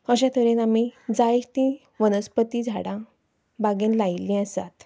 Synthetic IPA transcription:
əɕãt̪ʰəɾẽnamid͡zajt̪ĩ | ʋənəspət̪id͡zʱaɽã | baɡẽnlajlːĩəsa̰t̪

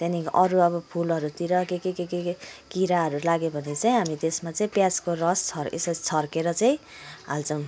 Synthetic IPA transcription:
t̪janikʔʌɾuʌbʌpʰulʌɾut̪iɾʌkekekekekkiɾaɦʌɾulaɡjobʱʌnet͡saĩɦamid̪esmat͡saĩpjaskorʌst͡sʰʌɾḛsat͡sʰʌrkeɾʌt͡saĩɦalt͡sʌ̃

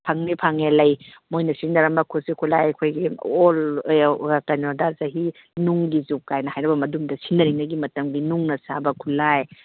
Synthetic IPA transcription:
pʰaŋnipʰaŋelɐjmojnɐsinːɐɾɐmɐkʰusikʰulajkʰojɡiol | akanodazaɦi | nuŋɡizukkajnɐhajnɐbɐmɐdumdɐsinːɐɾiŋnɐɡimɐtɐmɡinuŋnɐsabɐkʰulaj

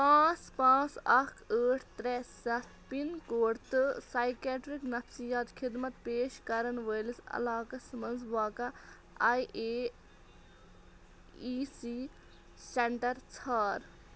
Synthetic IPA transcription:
pãːt͡spãːt͡sɐkəːʈʰt̪ɾɛːsɐt̪pinkoːɾt̪ɨsaːjkjaːʈɾiknɐfsijaːt̪xʰid̪mɐt̪peːʃkɐɾɐnʋəjlisɐ̰laːkɐsmɐnzʋaːkɐ | ajʔeː | iːsi | seɳʈɐɾt͡sʰaːɾ

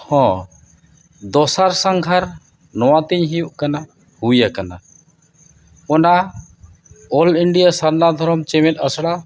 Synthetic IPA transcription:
hɔ̃ | d̪ɔsaɾsaŋɡʱaɾ | nɔwat̪iɲɦijuʔkana | hujakana̰ | ɔna | ɔliɳɖijasaɾnad̪ʱɔɾɔmt͡ʃɛmɛt̪̚ˀəsɽa

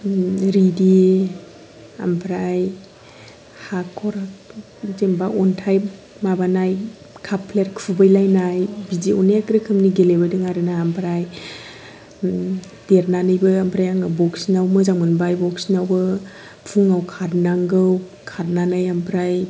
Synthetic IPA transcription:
ɾidi | a̰mpʰɾaj | hakʰɔɾ | zembaɔntʰajp | mabanaj | kʰapʰleɾkʰubɯjlajnajbiziɔneakɾɯkʰɯmniɡelebajdɯŋaɾɯnaampʰɾaj | d̥eɾnanɯjbɯampʰɾajaŋabɔksinawmɯzaŋmɯnbajbɔksinawbɯ | pʰuŋawkʰaɾnaŋɡɯw | kʰaɾnanɯjampʰɾaj

